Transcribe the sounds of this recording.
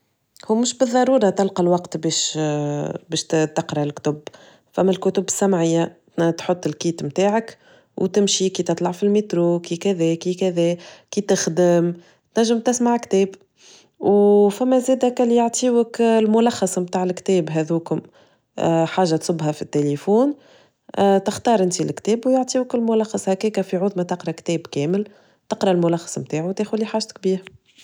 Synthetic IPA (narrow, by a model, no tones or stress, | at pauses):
huːmʊʃbɨðˤːɑɾˤuːɾˤɑt̪ɑlqɑlwɑqt̪bɛːʃ | bɛːʃt̪ɑqɾɑlkt̪ʊb | fæmːælkʊt̪ʊbːɪsːæmʕɪjːa | t̪ħʊt̪ˤːɪlkiːt̪mt̪aːʕək | wt̪ɪmʃikiːt̪ɨt̪ˤlɑʕfilmit̪ɾoːkikæðɛːkikæðɛːkit̪ɪxd̪əm | t̪næʒːəmt̪ɪsmaʕkt̪ɛːb | wfæmːæzɛːd̪ækælːijaʕt̪ʰˤiːwəklmʊlɑxːɑsˤmt̪aːʕɪlkt̪ɛːbɦɛðuːkʊm | ħaːʒːat̪sˤʊbːɦɑfit̪ːelifuːn | t̪ɪxt̪ɑːɾˤʔɪnt̪ilkt̪ɛːbwjaʕt̪ˤiːwəkɪlmʊlɑxːɑsˤhækiːkæfiʕʊðˤmat̪qɾˤɑkt̪ɛːbkɛːmɪl | t̪ɑqɾˤɑlmʊlɑxːɑ̥sˤmt̪aːʕut̪eːxʊlːiħaːʒt̪k̚biːɾa